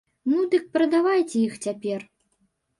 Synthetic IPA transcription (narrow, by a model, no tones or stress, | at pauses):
nud̪ɨk̚pɾɐd̪avajt͡sʲɛixt͡sʲapʲɛr